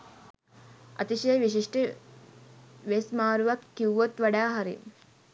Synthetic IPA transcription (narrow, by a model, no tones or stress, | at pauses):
ɐ̰t̪iʃejʋiʃ̬iʂʈə | ʋesmaːɾuʋakːiwʋot̪ʋaɖaːɦaɾḭ